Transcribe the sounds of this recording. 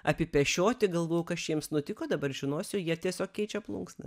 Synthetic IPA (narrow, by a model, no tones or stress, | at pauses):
ɐpʲɪpʲɛʃʲoːt̪ʲɪɡɐlˠʋoːjʊkɐʃjʲiɛmsnʊt̪ʲɪkoːd̪ɐbɐrʒʲɪnoɔsʲʊjiɛt̪ʲiɛsʲoːkkʲkʲɛɪt͡ʃʲɛplˠṵŋksnɐ̰